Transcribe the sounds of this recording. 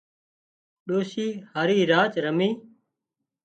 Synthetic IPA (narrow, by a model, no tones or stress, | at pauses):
ɗoːʃiːhaːɾiːɾaːt͡ʃɾəmiː